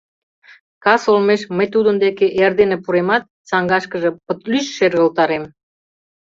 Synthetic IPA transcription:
kɑsolmeʃməjt̪ud̪ənd̪ekeʔerd̪enepuɾemɑt̪̚t͡sɑŋɡɑʃkə̆ʒĕpə̆t̪lyʃʃerɣə̆lt̪ɑɾem

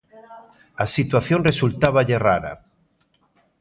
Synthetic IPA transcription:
asit̪waθjoŋresult̪aβaʎera̰ɾa̰

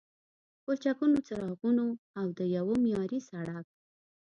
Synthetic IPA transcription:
kot͡ʃakunot͡saɾɑɣunoawd̪əjawomijɑɾisaɽak̚

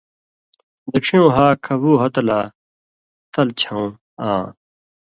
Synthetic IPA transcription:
d̪ɐkʂʰijõːɦaːkʰɐbuːɦɐt̪ɐlaː | t̪ɐlt͡ɕʰɐũ | ãː

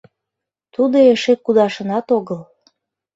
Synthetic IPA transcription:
t̪ud̪oeʃekud̪ɑʃə̆nɑt̪oɣəl

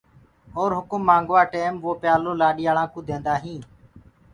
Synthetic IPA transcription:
oːɾɦʊkʊmːãːŋɡʋaːʈeːmʋoːpjaːloːlaːɗɪːjaːlãːkũːd̪ẽːnd̪aːɦĩː

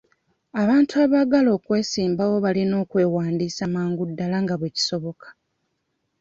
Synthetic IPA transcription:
aβaːntuaːβaɡalo̞ːkwe̞ːsiːmbawo̞βalino̞ːkwe̞ːwaːndiːsamaːŋɡudːalaŋɡaβweci̥so̞βo̞kḁ

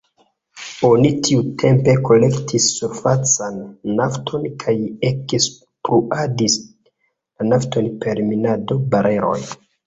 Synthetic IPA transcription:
o̞nitʰiutʰe̞mpe̞ko̞le̞ktʰisːuɾfat͡sanːaftʰo̞nkʰajekes | pɾuadis | lanafto̞npe̞ɾminado̞baɾe̞ɾo̞̰j

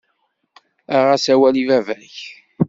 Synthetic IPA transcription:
æʁæsæwælivævæç

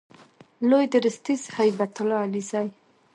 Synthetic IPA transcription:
lojd̪əɾəst̪izhajbat̪ʊlɑːlizaj

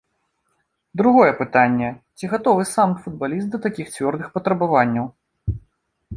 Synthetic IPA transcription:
d̪ɾuɣɔjɛpɨt̪anʲːɛt͡sʲiɣat̪ɔvɨsamfud̪̚balʲist̪̚d̪ɐt̪akʲixt͡sʲvʲɔrd̪ɨxpɐt̪ɾɐbavanʲːɐw

